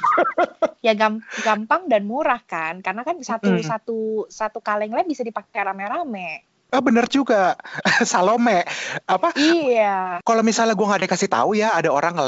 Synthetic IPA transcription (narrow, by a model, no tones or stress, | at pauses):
jaɡamɡampaŋdanmuɾahkankarnakansat̪usat̪usat̪ukalɛŋlabisadipak̚t̪aramɛɾamɛ | ɔhbənərd͡ʒuɡasalomɛʔapaiakalomisalahɡuaŋadakasit̪a̰ujaːdaoɾaŋəl